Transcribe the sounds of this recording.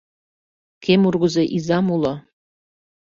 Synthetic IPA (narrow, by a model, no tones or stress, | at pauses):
kemurɣuzeʔizɑmulɤ